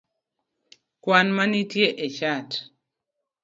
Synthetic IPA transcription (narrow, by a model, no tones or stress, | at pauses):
kwanmanitjeʔet͡ʃat